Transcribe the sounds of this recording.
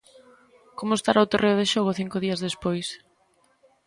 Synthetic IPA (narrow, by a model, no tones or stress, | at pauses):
komʊest̪aɾawt̪oreʊð̞eʃoɣ̞ʊθiŋkʊðiɐzðespojs